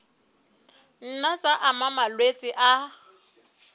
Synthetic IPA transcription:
n̩nat͡sʼaʔamamalwet͡sʼɪʔa

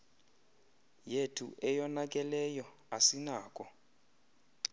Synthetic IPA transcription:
jetʰṵʔɛjɔnak̬ʼɛlɛjɔ | asinaːkʼɔ

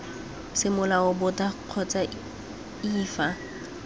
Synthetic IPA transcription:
sɪmʊlaʊbʊtʼaq͡χʰɔt͡sʼa | iːfa

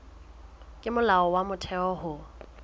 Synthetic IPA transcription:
kʼɪmʊlaɔwamʊtʰɛɔhʊ

